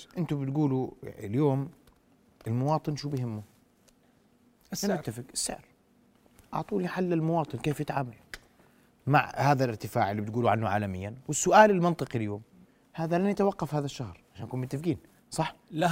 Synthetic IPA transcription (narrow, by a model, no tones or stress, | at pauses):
ʔɪnt̪ʊbɪt̪ɡuːluɪljoːm | ɪlmʊwɑːt̪ˤɨnʃuːbjɦɪmːʊ | ammɪt̪ːafɪkɪsːa̰ʕɾ | ʔɑ̰ʕt̪ˤuːniħalːɪlmʊwɑːt̪ˤɨnkeːfjɪt̪ʕaːmal | ma̰ʕhaːðalʔɪɾt̪ɪfaːʕɪlːiːbɪt̪̚ɡuːluʕanːʊʕa̰ːlamɪjːanwɪsːʊʔaːlɪlmɑnt̪ˤɨqɪljoːm | haːðalanʔat̪awɑqːɑfhaːðaʃːahɾʕaʃaːnʔakuːnmʊt̪ːafɡiːn | sˤɑħ